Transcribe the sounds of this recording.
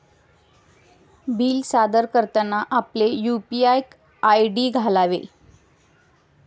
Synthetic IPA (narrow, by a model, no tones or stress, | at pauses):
biːlsad̪əɾkəɾt̪anaʔaplejupiajk | ajɖiːɡʱalaʋḛ